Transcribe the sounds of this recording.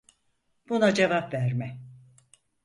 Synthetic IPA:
b̥unad͡ʒevapvæɾmɛ

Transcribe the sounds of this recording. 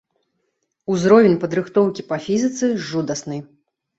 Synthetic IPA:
uzɾɔvʲenʲpɐd̪ɾɨxt̪ɔwkʲipɐfʲizɨt̪sɨʐud̪ɐsnɨ

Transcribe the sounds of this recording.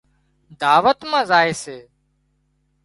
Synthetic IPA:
d̪aːʋət̪mãːzaːeːseː

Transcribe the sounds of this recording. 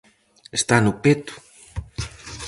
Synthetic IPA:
est̪anʊpet̪u̥

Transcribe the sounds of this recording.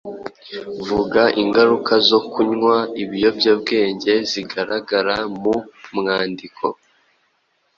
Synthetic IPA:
vuɡaʔiŋɡaɾukazo̞kuɲŋwaiβijo̞bɟob̚ɡe̞ːɲɟe̞ziɡaɾaɡaɾamumŋaːndikʰo̞̰

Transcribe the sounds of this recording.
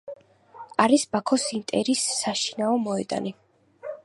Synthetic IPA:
aɾisbakʰɔsint̪ʼɛɾisːaʃinaɔmɔɛd̪a̰ni

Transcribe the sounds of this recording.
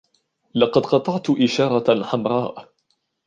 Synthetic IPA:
lɑqɑd̪qɑt̪ˤɑʕt̪ʔɪʃɑːɾˤɑħamɾˤɑːʔ

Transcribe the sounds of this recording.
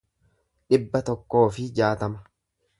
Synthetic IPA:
ᶑɪbːɐt̪ɔkːo̞ːfɪd͡ʒaːt̪ɐmɐ̥

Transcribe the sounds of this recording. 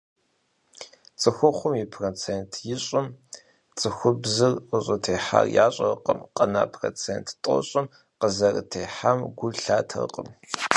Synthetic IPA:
t͡sʼɨxʷʊχʷʊmipʰrot͡sʰeːntʰjɪɕʼɪm | t͡sʼɨxʷʊbzɨrʔʷʊɕʼɐtʰeːħa̰rjaːɕʼɐrqəmqʼɐna̰ːpʰro̰ːt͡sʰeːntʰtʼɔ̰ɕʼɪm | qəzɐrɨ̰tʰeːħamɡʷʊɬaːtʰɐ̰rqʼəm

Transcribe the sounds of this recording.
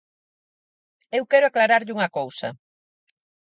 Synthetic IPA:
ewkɛɾʊaklaɾaɾʎuŋɐkowsɐ̰

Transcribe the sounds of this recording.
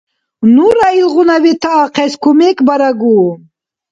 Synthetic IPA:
nuɾailɣunavit̪ʰaːqeskumekbɐɾaɡu

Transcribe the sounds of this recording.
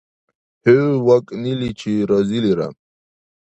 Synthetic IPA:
hewakʼnilit͡ɕʰiɾɔziliɾa̰m

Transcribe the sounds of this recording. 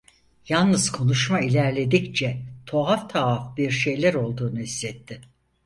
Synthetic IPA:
jalˠnɯz̥kʰo̞nuʃmailʲæɾlʲe̞d̪ict͡ʃʰɛt̪ʰo̞alt̪ʰaafbiɾʃe̞jlʲæɾo̞lˠd̪uːnuislɛt̪ʰːɪ

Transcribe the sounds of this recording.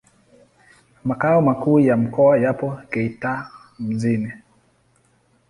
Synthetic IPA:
makaɔmakuːjam̩kɔajapɔkɛita | m̩zinɛ

